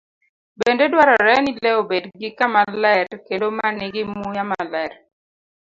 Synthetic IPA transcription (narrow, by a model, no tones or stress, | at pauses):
bendedwaɾɔɾɛnilɛobedɡɪkamalɛɾkendomanɪɡɪmujamalɛr